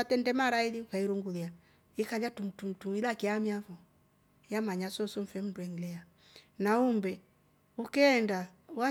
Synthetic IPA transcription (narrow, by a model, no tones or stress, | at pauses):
atɛndɛmaɾailiukaiɾuŋɡulia | ikaliatumtum̩tuilakiamiavɔ | jamaɲasɔsɔm̩fɛm̩nduɛŋlɛa | naumbɛ | ukɛːndawa